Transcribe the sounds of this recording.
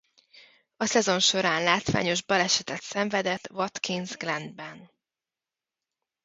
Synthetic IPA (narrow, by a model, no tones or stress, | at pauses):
ɒsɛzo̞nʃo̞ɾaːnlaːt̪ʋa̰ːɲo̞ʒbɒlɛʃɛt̪ɛt̪sɛɱvɛd̪ɛt̪ːvot̪kinzɡlɛnd̪bɛn